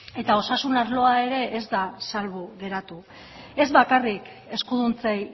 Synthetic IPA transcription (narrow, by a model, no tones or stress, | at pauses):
e̞t̪ao̞sasunaɾlo̞ae̞ɾe̞ʔezd̪asalβuɣe̞ɾat̪u | e̞zbakarik | e̞skuðunt͡sej